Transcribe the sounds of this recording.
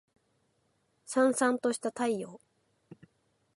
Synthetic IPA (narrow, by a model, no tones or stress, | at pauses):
sãɰ̃sãnt̪o̞ɕi̥t̪at̪aijo̞ː